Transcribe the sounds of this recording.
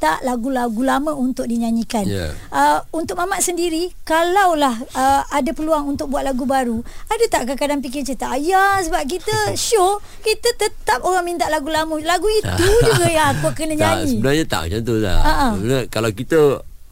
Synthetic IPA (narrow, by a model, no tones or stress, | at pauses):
t̪aʔlaɡulaɡulaməunt̪ʊk̚diɲaɲikanja̰əunt̪ʊk̚mamaʔsəndiɾikalawlahəadapəluaŋunt̪ʊk̚buat̪̚laɡubaɾuadət̪aʔkakadaŋp̬ik̬ɪt͡ʃət̪aʔajasəbap̚k̬it̪əʃo | kit̪ət̪ət̪ap̚oɾaŋmint̪aʔlaɡulaməlaɡuit̪ud͡ʒuɡajaŋakuakənəɲaɲsiə̃ənarɲat̪a̰ʔd͡ʒant̪ola̰əʔənakalawkit̪ə